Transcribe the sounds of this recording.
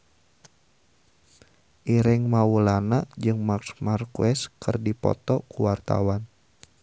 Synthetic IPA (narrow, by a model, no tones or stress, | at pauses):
ʔiɾɪŋmawulanad͡ʒɨŋmaksmarkuɛskɨrdipɔ̰t̪ɔkuwart̪a̰wan